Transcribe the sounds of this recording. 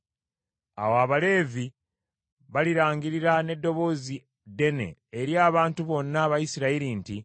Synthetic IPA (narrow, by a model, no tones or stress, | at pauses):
a̰waβale̞ːvi | βaliɾaːŋɡiɾiɾane̞dːo̞βo̞ːzi | de̞ne̞̰eɾjaːβaːntuβo̞nːaːβajisiɾaiɾinti